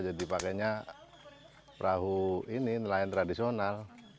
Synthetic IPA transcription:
d͡ʒadipakɛɲa | pɾʔaɦuininəlaɪnt̪ɾadisional

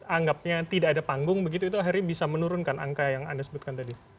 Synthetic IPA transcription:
aŋɡap̚ɲat̪idaːdapaŋɡʊŋbəɡit̪uit̪uaɦiɾɲabisamənuɾʊnkana̰ŋkajaŋa̰ndasəbut̪̚kant̪adi

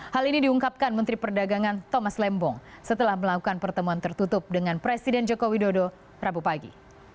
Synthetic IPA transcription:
halinidiuŋkap̚kanmənt̪ɾipərdaɡaŋant̪omaslɛmbɔŋsət̪əlahməlakukanpərt̪əmuant̪ərt̪ut̪ʊp̚dəŋanpɾesidɛnd͡ʒokowidodo | rabupaɡḭ

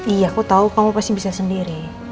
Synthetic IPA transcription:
ijakut̪aukamupast̪ibisasəndiɾi

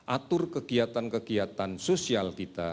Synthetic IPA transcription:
ʔat̪ʊrkəɡiat̪ankəɡiat̪ansosialkit̪a̰

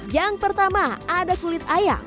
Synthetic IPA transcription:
jaŋpərt̪amaadakulɪt̪̚aja̰

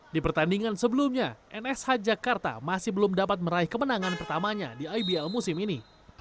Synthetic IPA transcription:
dipərt̪andiŋansəbəlumɲaʔɛnɛshad͡ʒakart̪a̰masɪhbəlʊmdapat̪̚məɾaihkəmənaŋanpərt̪amaɲa̰diajbiɛlmusɪmini

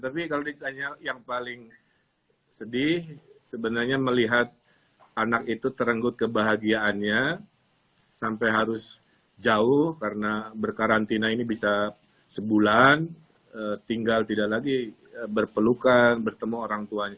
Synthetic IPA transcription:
t̪apikalodit̪aɲajaŋpalɪŋ | sədɪhsəbənarɲaməliɦat̪̚ | anakit̪ut̪əɾəŋɡʊt̪̚kəbaɦaɡiaʔːnɲa | sampajɦaɾʊs | d͡ʒaʊhkaɾənabərkaɾant̪inainibisa | səbulan | ət̪iŋɡalt̪idaklaɡi | əbərpəlukanbərt̪əmuoɾaŋt̪uaɲ

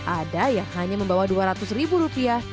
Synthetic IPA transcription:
ʔadajaŋhaɲaməmbawaduaɾat̪ʊsribuɾupia

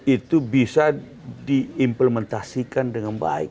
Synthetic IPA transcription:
it̪ubisa | diimpləmɛnt̪asikandəŋanba̰ɪ̰k

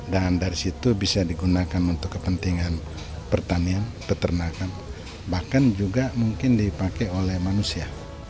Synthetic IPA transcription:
dandaɾisit̪ubisadiɡunakanunt̪ʊkːəpənt̪iŋan | pərt̪anianpət̪ərnakan | bahkand͡ʒuɡamuŋkɪndipakeolɛhmanusia

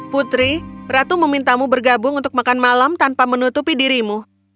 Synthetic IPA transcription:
put̪ɾirat̪uməmint̪amubərɡabʊŋunt̪ʊk̚makanmalamt̪anpamənut̪upidiɾimu

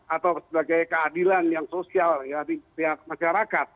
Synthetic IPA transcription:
at̪awsəbaɡajkəadilanjaŋsosialjadipiamaʃaɾakat̪̚

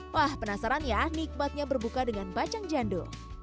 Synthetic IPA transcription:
wahpənasaɾanjanik̚mat̪̚ɲabərbukadəŋanbat͡ʃaŋd͡ʒando

